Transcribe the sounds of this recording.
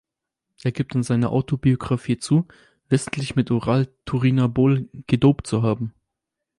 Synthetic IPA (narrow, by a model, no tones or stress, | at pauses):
ʔeːɐɡɪːp̚tanzaɪnɐʔa̰ʊtʰobioɡʁafiːt͡suː | veːzn̩tʰlɪçmɪtʔoʁaːltʰuʁinaboːlɡ̥ədoːp̚tt͡suɦaːbm̩